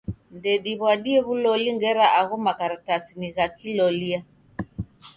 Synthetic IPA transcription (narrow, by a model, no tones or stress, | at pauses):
ndɛɗiβwaɗiɛβulɔliŋɡɛɾaʔaɣumakaɾatasiniɣakilɔlia